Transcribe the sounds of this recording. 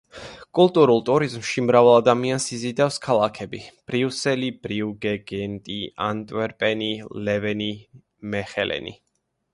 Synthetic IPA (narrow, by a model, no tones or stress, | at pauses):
kʼulˠt̪ʼuɾulˠt̪ʼuɾizmʃimɾavalˠad̪amiansizid̪afskʰalˠakʰɛbib̥ɾiusɛlib̥ɾiuɡɛɡɛnt̪ʼia̰nt̪ʼwɛɾpʼɛnilɛvɛni | mɛχɛlʔɛ̰nḭ